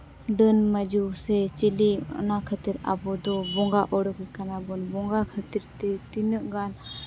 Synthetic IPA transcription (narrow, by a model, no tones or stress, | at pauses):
ɖənmad͡ʒusɛt͡ʃiliɔ̰nakʰət̪iɾa̰bɔd̪ɔbɔŋɡaʔɔɽɔkikanabɔnbɔŋɡakʰət̪iɾt̪ɛt̪inəʔɡan